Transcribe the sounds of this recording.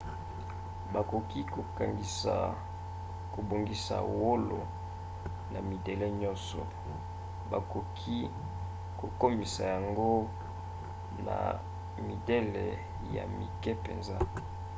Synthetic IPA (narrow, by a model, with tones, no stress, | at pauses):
ba˨ko˨ki˦ko˨ka˨ŋɡi˨sa̰˨ | ko˨bo˨ŋɡi˨sa̰˨wo˦lo̰˨ | na˨mi˨de˨le˦ɲɔ˦nsɔ̰˨ | ba̰˨ko˨kʰi˦ | ko˨ko˦mi˨sa˨ja˨ŋɡo˦ | na̰˨ | mi˨de˦lḛ˨ | ja̰˨mi˨kɛ˦pḛ˨nza˦